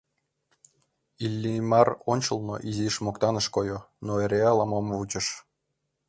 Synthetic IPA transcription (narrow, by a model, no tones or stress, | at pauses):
ilʲːimɑronʲt͡ɕɤ̆lˠno̰ʔiziʃmokt̪ɑnɤ̆ʃkojonoeɾʲeɑlˠɑmomvut͡ɕɤ̆ʃ